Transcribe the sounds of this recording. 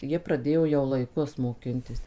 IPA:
ˈjiɛ prɐˈdʲeːjoː jɛʊ lˠɐɪˈkʊs moːˈkʲɪnʲtʲɪs

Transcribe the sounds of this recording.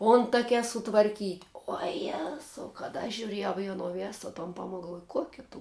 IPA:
ˈoːntɐkʲɛ sʊtʋɐrʲˈkʲiːtʲ uɔ ˈjæːzɐʊ kɐt ɐʃ ʒʲʊˈrʲeːjɛʊ ɪ ɐˈnoː ˈʋʲeːsoː toːn ˈpɑːmoːk ɡɐlˠˈʋuɔj ˈkuɔkʲɛ tʊ

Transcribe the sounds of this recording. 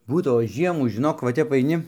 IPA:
ˈbuːdɐʋoː ˈʒʲiɛmuː ʒʲɪˈnoːk ʋɐ ˈtʲɛp ɐɪˈnʲɪ

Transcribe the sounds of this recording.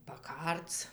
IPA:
pɐˈkɐrt͡s

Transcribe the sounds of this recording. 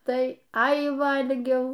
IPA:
tɐɪ ˈɐɪ ˈʋɐlʲɡʲɛʊ

